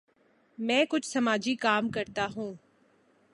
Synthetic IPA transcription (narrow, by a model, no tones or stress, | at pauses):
mɛ̃ːkʊt͡ʃʰsɐmaːd͡ʒikaːmkɐɾt̪aɦũː